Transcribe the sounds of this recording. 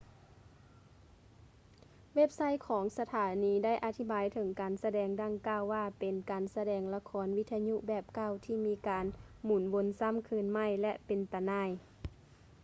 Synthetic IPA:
we˦˥˩p̚sa˧˥˨jkʰɔː˩˦ŋsa˧t̪ʰaː˨˦niː˨˧˦da˥˩jʔa˧t̪ʰi˧˩baː˨jt̪ʰɤ˨˦ŋkaː˨˩nsa˧dɛː˨˩ŋda˧˥˨ŋkaː˧˨wːaː˧˩pe˨˩nkaː˨nsa˧dɛː˨ŋla˧kʰɔː˨˦nʋi˧˥t̪ʰːa˧ɲu˧˨ʔbɛː˧˩p̚ka˧˩˨wt̪ʰiː˧˩miː˧kaː˨n | muː˨˩˦nwo˧˦nsa˧˥˨mkʰɯː˧˨nma˧˥˩jlɛ˧pe˨nt̪a˧˩naː˧˥˩j

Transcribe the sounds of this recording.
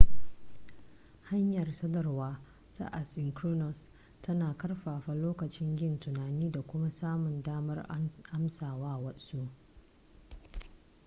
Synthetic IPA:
ha˦ɲjɐ˨rsɐ˦dɐ˨rwaː˦ | sa̰˦ʔa˨sɪ˨ŋkɾu˦nɔ˨s | tʰɐ˦naː˨kɐ˦rɸaː˨ɸa˨loː˦kɐ˨t͡ʃɪ˦ŋɡʲɪ˦ntʊ˨naː˨niː˦da˨kʷʊ˦ma˦saː˦mʊ˨ndaː˦mɐ˦rʔa˦msaː˨waː˦wɐ˦su˦ʔ

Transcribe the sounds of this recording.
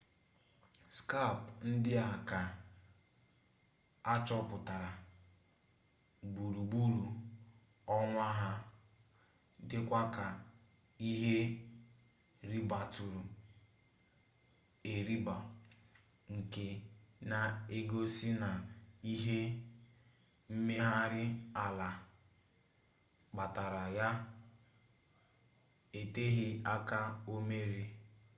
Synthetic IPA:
ska˦˨pn̩˦dɪ˦a˨ka˨ | a˦t͡ʃɔ˦pʊ˨ta˨ɾa˨ | bu˨ɾu˨ɡ͡bu˦ɾu˨ | ɔ˦ŋʷa˦ɦa˦ | dɪ˦kʷa˦ka˨ | i˦ɦe˦ | ɾi˦ba˨tu˨ɾu˨ | e˨ɾi˦ba˨ | ŋ̩˨ke˨na˨e˦ɡo˦si˦na˨i˦ɦe˦ | m̩˦me˦ɦa˦ɾɪ˦a˨la˨ | ɡ͡ba˨ta˨ɾa˨ja˦ | e˨te˦ɦɪ˦a˦ka˦o˦me˦ɾi˦

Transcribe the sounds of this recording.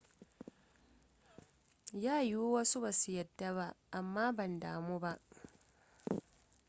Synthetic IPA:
jaː˦˨ju˦wɐ˦su˦ba˨su˨˦jɐ˨dːa˦βa˦˨ʔa˨mːaː˦bɐ˨ndaː˨mu˦ba˦ʔ

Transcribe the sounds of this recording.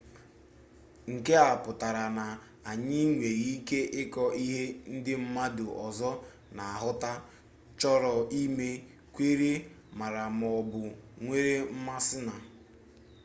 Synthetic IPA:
ŋ̩˨ke˦a˨pʊ˨ta˨ɾa˨na˨ | a˨ɲɪ˦ŋʷe˨ɣi˦ke˦ʔɪ˦kɔ˦ʔi˦ɦe˦n̩˦dɪ˦m̩˦ma˦dʊ˨ʔɔ˨zɔ˦ | na˨a˨ɦʊ˦ta˦ | t͡ʃɔ˦ɾɔ˨i˦me˦ | kʷe˦ɾe˦ | ma˨ɾa˨m˨ɔ˨bʊ˨ŋʷe˦ɾe˦m̩˦ma˦sɪ˦na˨

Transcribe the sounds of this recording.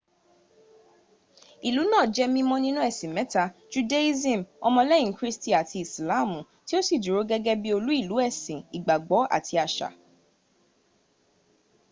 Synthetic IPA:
i˨lu˨˦nãː˦˨d͡ʒɛ˦mĩ˧mɔ̃˧nĩ˦nũ˦ɛ˦˨sĩ˨mɛ̃˨˦ta˧t͡ʃu˦de˦i˦zĩ˦˨mɔ˧mɔ̃˧lɛ̃˦ĩ˨kɾi˦sti˦˨a˨tʰi˧i˨sla˨˦˨mũ˨ | ti˦o˦si˦˨d͡ʒu˨ɾo˨˦ɡɛ˦ɡɛ˦bi˦o˧lu˦i˦˨lu˨˦ɛ˦˨sĩ˨i˨ɡ͡ba˨ɡ͡bɔ˨˦a̰˦˨tʰi˧a˨ʃa̰˨

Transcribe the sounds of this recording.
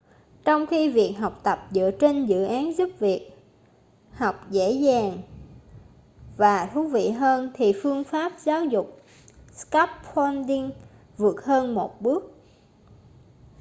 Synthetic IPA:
t͡ɕɔ˧wŋ͡mxi˧vi˨˩ək̚ɦa˨˩wk͡p̚t̪ə˨˩p̚zɨ̰˧˥ət͡ɕe˧nzɨ̰˧˨ʔaː˨˦nzu˦˥p̚vi˨˩ək̚ | ha˨˩wk͡p̚zḛ˧˥zaː˨˩ŋ | vaː˨˩t̪ʰu˨˦vḭ˧˨ɦəː˧nt̪ʰi˨˩fɨ˧əŋfaː˦˥p̚zaː˨˦wzʊ˨˩k͡p̚ | ska˦˥p̚fɔ˧nɗi˧ŋ | vɨ˨˩ət̚həː˧nmo˨˩t̚ɓɨ˦˥ək̚

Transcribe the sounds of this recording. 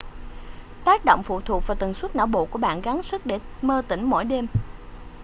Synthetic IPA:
t̪aː˦˥k̚ɗo̰˧˨wŋ͡mfṵ˧˨t̪ʰu˨˩ək̚vaː˨˩t̪wə˨˩nswə˦˥t̚na̰ː˧˩wɓo̰˧˨ku˧˩əɓa̰ː˧˨nɣa˨˦nsɨ˦˥k̚ɗe˧˩məː˧t̪ï˧˩ŋ̟mɔ̰˧˥jɗe˧m

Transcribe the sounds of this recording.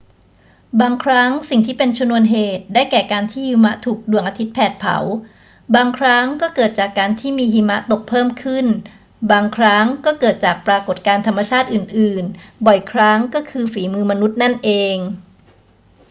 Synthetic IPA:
baː˧ŋkʰɾa˦˥ŋsi˨˩ŋt̪ʰiː˥˩pe˧nt͡ɕʰa˧nu˧ənɦeː˨˩t̪̚daː˥˩jkɛː˨˩kaː˧nt̪ʰiː˥˩hi˧ma˦˥ʔt̪ʰuː˨˩k̚du˨˩əŋʔa˧t̪ʰi˦˥t̪̚pʰɛː˨˩t̪̚pʰa̰˩˦w | baː˧ŋkʰɾa˦˥ŋkɔː˥˩kɤː˨˩t̪̚t͡ɕaː˨˩kːaː˧nt̪ʰiː˥˩miː˧ɦi˧ma˦˥ʔt̪o˨˩k̚pʰɤː˥˩mkʰɯ˥˩n | baː˧ŋkʰɾa˦˥ŋkɔː˥˩kɤː˨˩t̪̚t͡ɕaː˨˩k̚pɾaː˧ko˨˩t̪̚kaː˧nt̪ʰa˧mːa˧t͡ɕʰaː˥˩t̪̚ʔɯː˨˩nʔɯː˨˩nbɔ˨˩jkʰɾa˦˥ŋkɔː˥˩kʰɯː˧fiː˩˦mɯː˧ma˧nu˦˥t̪̚na˥˩nʔeː˧ŋ

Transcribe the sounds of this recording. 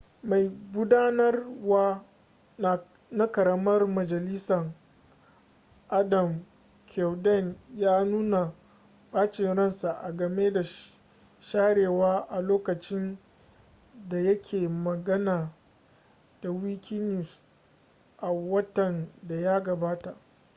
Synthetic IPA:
ma˨jɡʷʊ˦daː˦nɐ˦rwaː˦ | na˨ | na˦kɐ˨ɾɐ˦mɐ˦rmɐ˨d͡ʒɐ˨lɪ˦sɐ˨ŋ | ʔa˦dɐ˨m | kʲʰɛ˨wdɛ˦˨njaː˦nuː˦na˨ | ɓaː˦t͡ʃɪ˨nɽɐ˦nsa˨ʔa˨ɡɐ˨meː˦da˨ | ʃaː˦ɽeː˨waː˦ʔa˨loː˦kɐ˨t͡ʃɪ˦n | da˨jɐ˦kʲʰeː˨mɐ˨ɡɐ˦naː˨ | d̥a˨wi˦kʲʰi˦nɪ˨ | ʔa˨wɐ˦tɐ˨nda˨ja˦ɡɐ˨baː˦ta˨ʔ

